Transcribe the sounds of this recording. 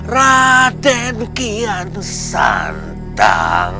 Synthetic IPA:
rad̪̥ɛnkian | sa̰n | t̪a̰ŋ

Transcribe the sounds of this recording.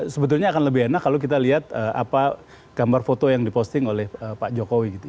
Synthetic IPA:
səbət̪ʊrɲaːkanləbɪɦenakːalok̬it̪aliɦat̪̚əa̰pa | ɡ̥ambarfot̪ojaŋdipost̪ɪŋolɛhəpaʔd͡ʒokowiɡit̪u

